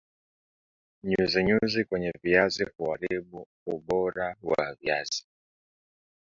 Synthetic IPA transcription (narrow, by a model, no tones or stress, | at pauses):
ɲuziɲuzikwɛɲɛviazihuaɾiɓu | uɓɔɾawa̰via̰z̥i̥